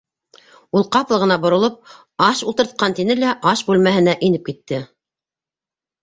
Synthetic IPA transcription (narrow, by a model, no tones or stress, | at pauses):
ulˠqɑplˠɤ̆ʁɤ̆nɑbŏɾŏlˠɤp̚ | ɑʃulˠt̪ɤ̆ɾt̪̚qɑnt̪inɘlæʔɑʃbʉlmæhɘ̆næʔinɘp̚kit̪ːɘ